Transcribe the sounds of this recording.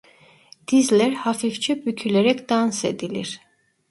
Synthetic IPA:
d̪̥izlʲæɾhafift͡ʃʰɛbycʰyleɾɛcd̪̥anse̞̰d̪ilʲḭɾ̥

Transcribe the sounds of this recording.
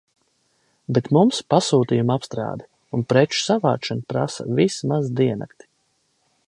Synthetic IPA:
bet̪mumspasuːt̪iːjumapst̪ɾa̰ːd̪ | unpɾɛt͡ʃsava̰ːʃɛnpɾa̰sa̰vismazd̪iɛna̰kt̪i̥

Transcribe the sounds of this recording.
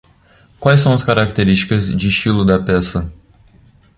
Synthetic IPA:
kwajsɐ̃w̃ɐskaɾakt̪eɾiʃt͡ʃi̥kɐzd͡ʒɪʃilud̪ɐpɛsɐ

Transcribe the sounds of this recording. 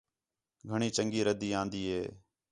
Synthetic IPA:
ɡʱəɳiːt͡ʃəŋɡiːɾəd̪iːãːnd̪iːɦeː

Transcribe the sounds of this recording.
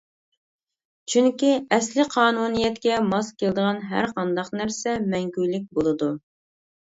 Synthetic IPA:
t͡ʃʰyŋkʲiɛslɪqʰɑːnunijɛt̪kʲɛmɑskʲeld̪əʁɑnɦæ̰ɾqʰɑnd̪ɑqnæɾsɛmɛŋkʲylːɪk̚ʲbolˠɨd̪u

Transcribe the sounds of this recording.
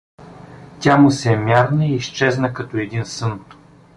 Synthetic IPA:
t̪ʲamʊsɛmʲjaɾnəiːst͡ʃɛznəkɐt̪oɛd̪insɤnt̪o̥

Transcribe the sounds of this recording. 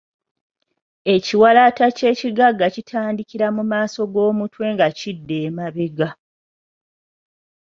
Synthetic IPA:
e̞ciwalatace̞ːciɡaɡːacitʰaːndikiɾamumaːso̞ɡo̞ːmutwe̞ːŋɡacidːeːmaβeɡa

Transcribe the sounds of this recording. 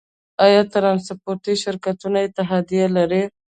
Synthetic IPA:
ajɑt̪ɾɑnspoɾt̪iʃɪɾkat̪unaɪt̪ɪɦɑd̪ijalaɾi

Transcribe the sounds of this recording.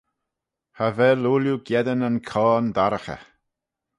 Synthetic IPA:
havɛluːljuɡjɛd̪ənənkʰɔːnd̪aɾəxə̰

